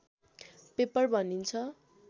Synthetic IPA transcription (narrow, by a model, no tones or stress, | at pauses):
pepʌrbʱʌnint͡sʰʌ